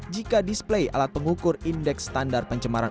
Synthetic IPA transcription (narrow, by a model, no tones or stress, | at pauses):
d͡ʒikadisplejʔa̰lat̪̚pəŋukʊrindɛksːt̪andar̚pəɲt͡ʃəmaɾa̰